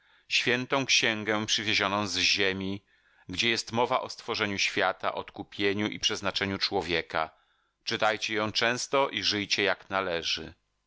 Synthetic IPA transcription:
ɕfʲjɛnt̪ɔ̃w̃kɕɛ̃ŋɡɛpʂɘvʲeʑɔnɔ̃w̃zʑemʲi | ɡd͡ʑɛjɛst̪mɔvaʔɔst̪fɔʐɛɲuɕfʲjat̪a̰ʔɔt̪kupʲjeɲuʔḭpʂɛznat͡ʂɛɲut͡ʂwɔvʲjeka̰ | t͡ʂɨt̪ajt͡ɕɛjɔ̃w̃t͡ʂɛ̃w̃st̪ɔʔiʐɘjt͡ɕɛjaknalɛʐɘ̰

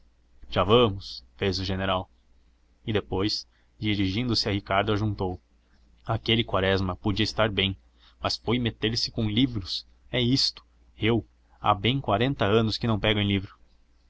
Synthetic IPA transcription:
ʒ̥avɐ̃mʊsfezʊʒeneɾaw | ɪd̪epojs | d͡ʒiɾiʒĩnd̪ʊsɪahikaɾd̪ʊaʒũnt̪ow | akelɪkwaɾɛzmɐpod͡ʒiɐist̪aɾbẽj̃ | mɐsfojmet̪eɾsɪ̥kõw̃livɾʊs | ɛist̪ʊ̥ | ew | a̰bẽj̃kwaɾẽnt̪ɐɐ̃nʊskɪnɐ̃w̃pɛɡɐ̃j̃livɾʊ

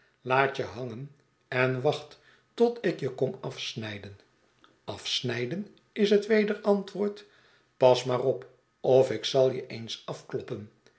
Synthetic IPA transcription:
laːt͡ʃəɦɑŋən | ɛnʋɑχt | tɔtɪkjəkɔmɑfsnɛjdən | ɑfsnɛjdən | ɪsɦətʋejdəɹɑntʋʊːɹt | pɑsmaːrɔp | ɔfɪksɑlˠjəʔejnsɑfklɔpən

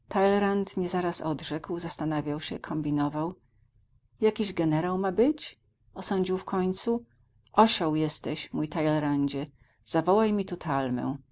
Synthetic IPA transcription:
t̪alɛɾant̪ɲɛzaɾasɔd̪ʐɛkwzast̪anavʲjawɕɛ̰kʰɔmbʲinɔvaw | jakʲiʑɡɛnɛɾawmabɘt͡ɕ | ɔsɔɲd͡ʑiwfkɔɲt̪su | ʔɔɕɔ̃wjɛst̪ɛɕmujt̪ajlɛɾaɲd͡ʑɛ | z̥avɔwajmʲit̪ut̪ʰalmɛ̰w̃

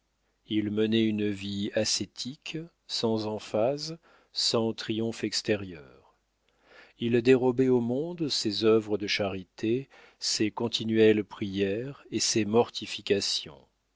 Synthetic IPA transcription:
ilmənɛynviaset̪ʰik | sɑ̃zɑ̃faz | sɑ̃t̪χijɔ̃fɛkst̪ɛʁjœːʁ | ild̪eʁɔbɛomɔ̃d̪sezœvʁəd̪əʃaʁit̪e | sekɔ̃t̪ʰinɥɛlpχijɛʁesemɔʁt̪ʰifikʲasjɔ̰̃

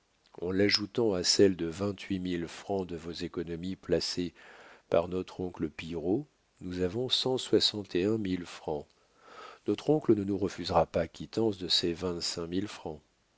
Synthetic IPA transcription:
ɑ̃laʒut̪ɑ̃asɛld̪əvɛ̃t̪ɥimilfχɑ̃d̪əvozekɔnɔmiplasepaʁnɔt̪χɔ̃kləpiʁo | nuzavɔ̃sɑ̃swasɑ̃t̪eɛ̃milfχɑ̃ | nɔt̪χɔ̃klənənuʁəfyzʁapakʲit̪ɑ̃sd̪əsɛvɛ̃t̪sɛ̃milfχɑ̃

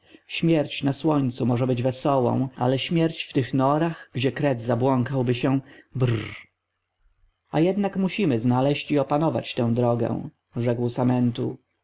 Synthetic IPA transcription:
ɕmʲjɛɾt͡ɕnaswɔɲt̪sumɔʐɛbɘd͡ʑvɛsɔwɔ̰̃w̃a̰lɛɕmʲjɛɾt͡ɕft̪ɘxnɔɾaxɡd͡ʑɛkɾɛd̪zabwɔŋkawbɘɕɛb | ajɛd̪nakmuɕimɘznalɛɕt͡ɕiɔpanɔva̰t͡ɕt̪ɛ̃w̃d̪ɾɔɡɛ̰̃w̃ | ʐɛkwsamɛnt̪u

